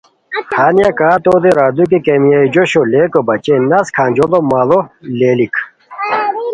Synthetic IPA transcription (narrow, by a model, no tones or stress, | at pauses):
haːnijakaːt̪oːd̪eɾaːd̪uk̬ikemijaid͡ʑoɕoleːkobɐt͡ɕenɐskʰaːnd͡ʑolomaːloleːlikʰ